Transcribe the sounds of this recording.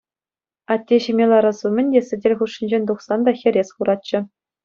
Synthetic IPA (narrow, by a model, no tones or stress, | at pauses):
ɑt̪ʲːeɕimʲelˠɑɾɑsumʲɘ̆nʲdʲesʲɘ̆dʲelʲχuʂːĭnʲd͡ʑenʲt̪uχsɑnd̪ɑxʲɘ̆ɾʲesχuɾɑt̚t͡ɕɘ̆